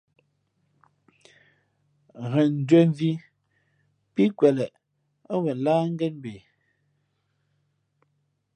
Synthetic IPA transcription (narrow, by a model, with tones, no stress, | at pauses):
ɣɛ˨n̩˨dwɛ˦ɱ˦vi˦ | pi˦kwɛ˨lɛ˨ | a˦wɛ˨laː˦ŋ̩˦ɡɛ˦nm˦be˨